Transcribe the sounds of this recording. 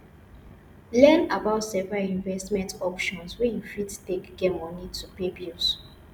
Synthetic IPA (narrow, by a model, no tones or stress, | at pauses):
lɛnabaʊtsɛvɹalĩɱvɛstmɛ̃ntɔpʃɔ̃nswɛjufidtekɡɛmɔ̃nitʰupebjus